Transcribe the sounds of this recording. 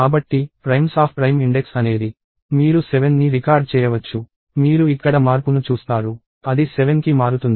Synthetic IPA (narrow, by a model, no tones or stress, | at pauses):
kaːbɐʈːipɾɐjmsaːppɾɐjmiɳɖeksɐne̞ːd̪i | miːɾuseʋenːiɾikaːɾɖ̚t͡ʃɛːjɐʋɐt͡ʃːu | miːɾuikːɐɽɐmaːɾpunut͡ʃuːst̪aːɾu | ɐd̪iseʋenkimaːɾut̪und̪i